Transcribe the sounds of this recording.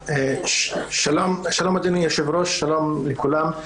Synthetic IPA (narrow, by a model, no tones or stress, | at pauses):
e | ʃalomʃalomad̪enujaʃevɾoʃːalo̞mlekulam